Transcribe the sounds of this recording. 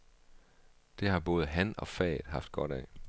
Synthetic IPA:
d̥e̝hɑ̈b̥ɔ̽ːð̩ˠɦænɒ̽fɛ̰ːðˠɦɑ̈fd̥̚ɡ̥ɒ̽ɾɛ̰

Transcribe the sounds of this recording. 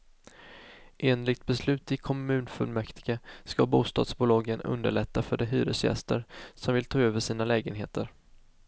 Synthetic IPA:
ʔeːnlɪɡ̚t̪̚bɛslʉ̟ːt̪ɪkʰɔmʉ̟ːnfɵ̰lmɛkt̪ʰɪɡ̥askabuːst̪ɑ̰ːd̪sbʊlɑːɡənɵ̰nd̪əɭɛt̪ʰːafœɖɛɦy̰ːɾə̰sjɛ̰st̪əɾsɔmvɪlt̪ʰɑːøːvəʂiːnalɛːɡənɦḛːt̪ʰəɾ

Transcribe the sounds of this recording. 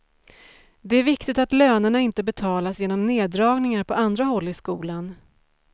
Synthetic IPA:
d̪ɛæɾvɪkt̪ɪt̪at̪løːnəɳaɪnt̪əbɛt̪ʰɑːlasjeːnɔmneːd̪ɾɑːɡnɪŋaɾpʰɔand̪ɾaɦɔlːɪskuːlan

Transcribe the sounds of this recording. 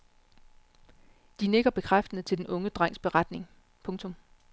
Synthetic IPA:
d̥ineɡ̥ɐb̥e̝kʰʁafd̥ən̩ət͡sʰe̝ld̥enʔɔ̽ŋəd̥ʁɑŋ̰sb̥e̝ʁad̥ne̝ŋ | pʰɔ̽ŋt͡sʰɔ̽m

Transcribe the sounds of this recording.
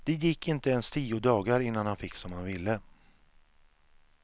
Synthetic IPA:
d̪̥ɛjɪkːɪnt̪əɛnst̪ʰiːʊd̪ɑːɡaɾɪnːanhanfɪkːsɔmhanvɪlːə

